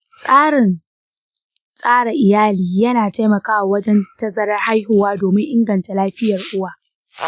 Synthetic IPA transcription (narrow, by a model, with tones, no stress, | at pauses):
sʼaː˦ɽɪ˨n | sʼaː˦ɽa˨ʔɪ˨jaː˦liː˨jɐ˦naː˨ta˦jmɐ˨kaː˦wa˨wɐ˦d͡ʒɛ˦ntɐ˦zɐ˦ɾɐ˦rha˦jhʊ˨waː˦doː˨mɪ˦ŋʔɪ˦ŋɡɐ˨nta˨laː˦ɸɪ˦jɐ˨rʔʊ˦waː˨